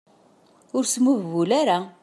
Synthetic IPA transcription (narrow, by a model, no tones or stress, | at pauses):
ʊɾsmuvːulaɾa